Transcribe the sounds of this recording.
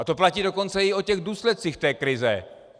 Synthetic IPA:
at̪o̞placiːdo̞ko̞nt͡sɛɪo̞cɛɣduːslɛt̪̚t͡siːxt̪ɛːkɾɪzɛ̰

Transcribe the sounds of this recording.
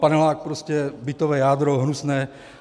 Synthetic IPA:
panɛlaːk̚pɾoscɛbit̪ɔʋɛːjaːd̪ɾoɦnusnɛː

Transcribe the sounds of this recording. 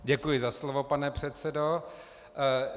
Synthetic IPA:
ɟɛkujɪzaslovopanɛpr̝̥ɛt̪sɛdo

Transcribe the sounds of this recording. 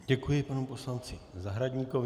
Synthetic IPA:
ɟɛkujɪpanupo̞slant͡sɪzaɦɾaɟɲikov

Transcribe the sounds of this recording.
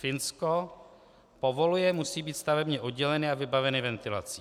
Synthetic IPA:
fɪnsko | povo̞lujɛmusiːbiːt̪st̪avɛbɲɛʔod̪ɟɛlɛnɪavɪbavɛnɪvɛnt̪ɪla̰t͡si̥ː

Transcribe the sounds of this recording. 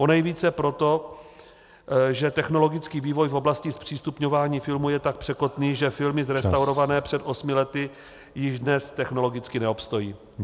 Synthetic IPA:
o̞nɛjviːt͡sɛpɾo̞t̪o̞ | ʒɛt̪ɛxno̞lo̞ɡɪt͡skiːviːvo̞jfo̞blascɪspr̥iːst̪upɲo̞vaːɲiːfɪlmujɛt̪ak̚pr̝̥ɛko̞t̪niːʒɛfɪlmɪzɾɛst̪awɾo̞vanɛːpr̝̥ɛt̪ʔo̞smɪlɛt̪ɪ | jɪʒdnɛst̪ɛxno̞lo̞ɡɪt͡skɪnɛopst̪o̞jiː

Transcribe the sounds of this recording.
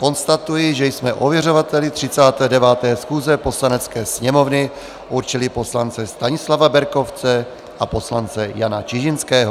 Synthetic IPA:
ko̞nst̪at̪ujɪʒɛjsmɛʔovjɛrovat̪ɛlɪt̪r̝̥ɪt͡saːt̪ɛːdɛvaːt̪ɛːsxuːzɛpo̞slanɛt͡skɛːsɲɛmovnɪ | ʔuɾt͡ʃɪlɪpo̞slant͡sɛst̪aɲɪslavabɛɾko̞ft͡sɛ | ʔapo̞slant͡sɛjanat͡ʃɪʒɪnskɛːɦo

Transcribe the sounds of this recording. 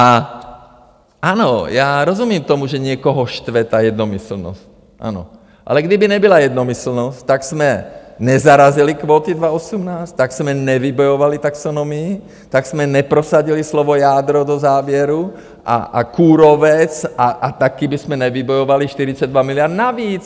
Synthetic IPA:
a | anɔjaɾɔzumɪɛmt̪ɔmuʒɛɲɪɛkɔɦɔʃt̪ʋɛt̪ajɛd̪nɔmisl̩nɔ̰sc | ʔa̰nɔ̰ | ʔa̰lɛɡd̪ibiɲɛbilajɛd̪nɔmisl̩nɔsct̪aksmɛɲɛzaɾazilikʋɔːt̪id̪ʋaɔsumnaːst̪aksmɛɲɛʋibɔjɔʋalit̪aksɔnɔmii | t̪aɡsmɛɲɛpɾɔsaɟilislɔʋɔjaːd̪ɾɔd̪ɔzaːʋɪɛɾu | ʔa̰a̰kuːɾɔʋɛt͡saʔat̪akiːbismɛnɛʋibɔjɔʋaliʃt̪iɾit͡saɟ̚d̪ʋamiliɪaɾd̪naʋiːt͡s

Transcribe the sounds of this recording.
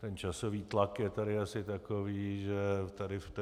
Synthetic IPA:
t̪ɛnt͡ʃasoviːt̪lakjɛt̪adɪasɪt̪akoviːʒɛt̪adɪft̪

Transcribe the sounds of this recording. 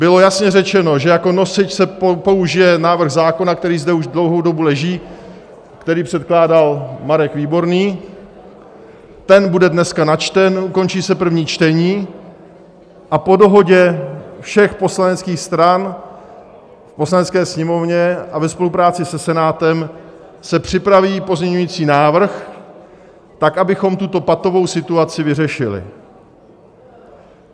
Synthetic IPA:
bɪlo̞jasɲɛrɛt͡ʃɛno̞ʒɛjako̞no̞sɪcsɛppo̞uʒɪjɛnaːvr̩ɣzaːko̞nakt̪ɛɾiːzdɛuʒdlowɦowdo̞bulɛʒiː | kt̪ɛɾiːpr̥ɛt̪̚klaːdalmaɾɛkviːbo̞ɾniː | t̪ɛnbudɛdnɛskanat͡ʃt̪ɛnʔuko̞nt͡ʃiːsɛpr̩vɲiːt͡ʃt̪ɛɲiː | ʔapo̞do̞ɦo̞ɟɛfʃɛxpo̞slanɛt͡skiːxst̪ɾan | fpo̞slanɛt͡skɛːsɲɛmo̞vɲɛʔavɛspo̞lupɾaːt͡sɪsɛsɛnaːt̪ɛm | sɛpr̝̥ɪpɾaviːpo̞zɲɛɲujiːt͡siːnaːvr̩x | t̪akʔabɪxo̞mt̪ut̪o̞pat̪o̞vo̞wsɪt̪uat͡sɪvɪrɛʃɪlɪ̰

